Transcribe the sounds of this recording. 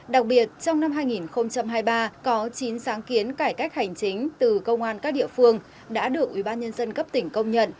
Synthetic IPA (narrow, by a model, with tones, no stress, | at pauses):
ɗa˨˩k̚ɓi˨˩ət̚t͡ɕɔ˧wŋ͡mna˧mɦaː˧jŋi˨˩nxə˧wŋ͡mt͡ɕa˧mhaː˧jɓaː˧kɔ˨˦t͡ɕi˨˦nsaː˨˦ŋki˨˦ənkaː˧˩jka˦˥k̚ha˨˩jŋ̟t͡ɕi˨˦ŋ̟t̪ɨ˨˩kə˧wŋ͡mʔaː˧nkaː˦˥k̚ɗḭ˧˨əfɨ˧əŋ | ɗa̰ː˧˥ɗɨ˨˩ək̚wi˧˩ɓaː˧nɲə˧nzə˧nkə˦˥p̚t̪ï˧˩ŋ̟kə˧wŋ͡mɲə̰˧˨n